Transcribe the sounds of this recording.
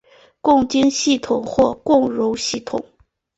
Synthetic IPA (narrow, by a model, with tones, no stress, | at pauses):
kʊ˥˩ŋt͡ɕi˥ŋɕi˥˩t̪ʰʊ˨˩ŋxwɔ˥˧kʊ˥˩ŋɻo˧˥ʊɕi˥˩t̪ʰʊ̰˨˩˦ŋ